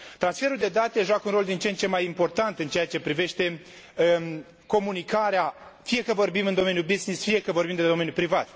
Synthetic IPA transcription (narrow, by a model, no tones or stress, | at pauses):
t̪ɾansfe̞ɾuld̪e̞d̪at̪e̞ʒuakunɾo̞ld̪int͡ʃe̞nt͡ʃe̞majimpo̞rt̪ant̪ɨnt͡ʃe̞jat͡ʃe̞pɾive̞ʃt̪e̞ | ko̞munikaɾeafije̞kəvo̞rbimɨnd̪o̞me̞njubiznisfije̞kəvo̞rbimd̪ed̪o̞me̞njupɾivat̪